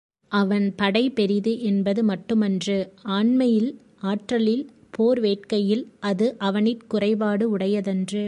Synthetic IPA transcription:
ʔɐʋɐnpɐɽɐɪpɛɾɪðɯʔɛnbɐðɯmɐʈːɯmɐndrɯaːɳmɐjɪl | aːʈrɐlɪl | pʰoːɾʋeːʈ̚kɐjɪlʔɐðɯʔɐʋɐnɪʈkʊrɐɪʋaːɽɯʊɽɐjɐðɛndrɯ

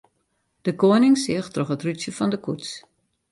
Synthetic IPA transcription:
d̥əkoənɪŋsɪəxtroxətrytjəfɔndəkuts

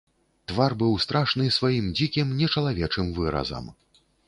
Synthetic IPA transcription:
t̪varbɨwst̪ɾaʂnɨsvajimd͡zʲikʲimnʲɛt͡ʂɐlˠavʲɛt͡ʂɨmvɨɾɐ̰zɐ̰m

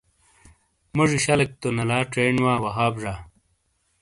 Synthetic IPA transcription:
mɐʐiɕɐlɐk̚t̪onɐlaːʈeːɳwaːwɐɦaːbʐa

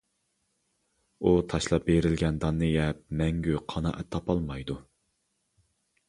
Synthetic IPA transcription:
ut̪ʰɑʃlˠɑp̚beɾɪlɡʲɛnd̪ɑnːɨjɛp̚mɛŋɡʲyqʰɑnɑ̰ʔɛt̪ʰːɑpɑlˠmɑjd̪u

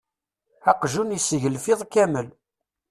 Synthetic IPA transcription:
ɑqʒunisəʝəlfɪðˤkæməl

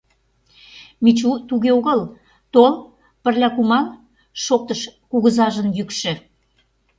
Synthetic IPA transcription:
mit͡ɕut̪uɣeoɣəl | t̪ol | pə̆rlʲɑkumɑl | ʃok̚t̪əʃkuɣəzɑʒənjykʃĕ

